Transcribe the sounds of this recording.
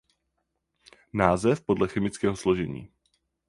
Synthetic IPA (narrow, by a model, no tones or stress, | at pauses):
naːzɛfpo̞dlɛxɛmɪt͡skɛːɦoslo̞ʒɛɲḭː